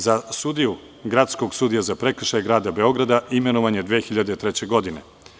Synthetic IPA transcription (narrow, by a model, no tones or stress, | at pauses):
zasud̪iju | ɡɾat̪sko̞ɡsud̪ijazapɾe̞kr̩ʃajɡɾaːd̪abe̞o̞ɡɾad̪aime̞noʋaɲe̞d̪ʋeːxiʎad̪et̪ɾet͡ɕe̞ɡo̞d̪ine̞